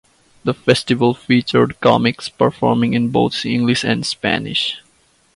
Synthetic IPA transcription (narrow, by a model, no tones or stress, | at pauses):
d̪əfɛsʈɪʋəlfiːt͡ʃəɹɖkɑ̰mɪkspəɾfɔɾmɪ̃ŋɪ̃nboːt̪ʰɪ̃ŋɡlɪʃæ̃nɖspæ̰nɪ̰ʃ